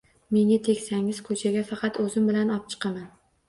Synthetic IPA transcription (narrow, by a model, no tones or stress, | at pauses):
me̞ŋɪt̪ʰe̞kʲsaŋɪz̥kʰɵt͡ʃʰaɡʲafɑqʰɑt̪ɵzɪmbɪlanɒp̚t͡ʃʰɨ̥qʰɑman